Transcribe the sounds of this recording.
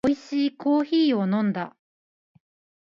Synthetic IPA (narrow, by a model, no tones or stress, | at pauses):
oiɕiːko̞ːçiːo̞nõ̞nd̪a̰